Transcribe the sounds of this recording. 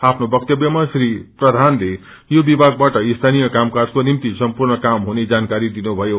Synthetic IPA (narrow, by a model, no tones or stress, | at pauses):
apʰnobʌk̚t̪jʌbjʌmasɾiprʌd̪ʱanle | jobibʱaɡ̚baʈʌist̪ʰanijʌkamkard͡zkonimt̪isʌmpurnʌkamɦuned͡zankaɾid̪inubʱʌjo